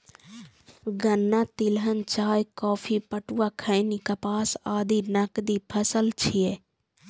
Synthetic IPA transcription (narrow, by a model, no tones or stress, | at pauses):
ɡənːat̪ɪlɦənt͡ʃaːjkɔːpʰipəʈuwakʰəɪnikapaːsaːd̪ʱinɐkd̪ipʰəsəlt͡ʃʰije